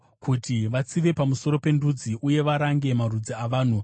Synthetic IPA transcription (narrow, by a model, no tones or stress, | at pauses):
kʰutiʋat͡siʋe̞pamuso̞ɾo̞pe̞ndud͡ziʔuje̞ʋaɾaŋɡe̞marud͡ziaʋaːn̤u